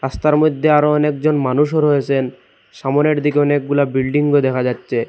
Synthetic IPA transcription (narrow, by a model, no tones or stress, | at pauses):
ɾast̪aɾmod̪ʱːeaɾoɔnek̚d͡ʑonmanuʃɦoɾɦojet͡ɕʰen | ʃamoneɾd̪ikeɔnek̚ɡulabilɖiŋɡod̪ɛkʰad͡ʑatːɕʰe